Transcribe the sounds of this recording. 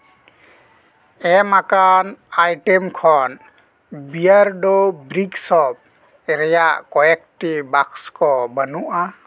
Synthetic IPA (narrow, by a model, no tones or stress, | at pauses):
ɛmakanajʈemkʰɔn | bijaɾɖɔbɾiksɔb̚ | ɛɾɛjaʔkɔjɛk̚ʈibakskɔbənuʔa